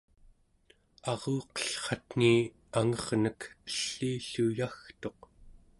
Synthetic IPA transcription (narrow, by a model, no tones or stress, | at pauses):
ɑʁuːqʌ̥ɬχɑt̪n̥i | aŋʌʁnəkə̥ɬːiːɬujaxt̪o̞q